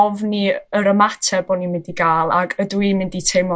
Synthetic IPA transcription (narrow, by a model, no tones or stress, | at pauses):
ɔvniəɾəmatʰɛboːdnimɪndiɡaːlˠa̰ɡədwimɪnditʰejmɔ